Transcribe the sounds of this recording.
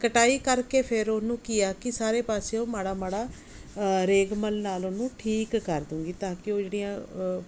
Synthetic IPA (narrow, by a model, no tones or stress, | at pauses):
kəʈaːiːkəɾkeːpʰɪɾonũːkɪjaːkɪsaːɾeːpaːseõːmaːɽaːmaːɽaː | ɾeːɡməlnaːlonũːʈʰiːkːəɾd̪ʊ̃ːɡiːt̪ãːkɪoːd͡ʒeːɽijãː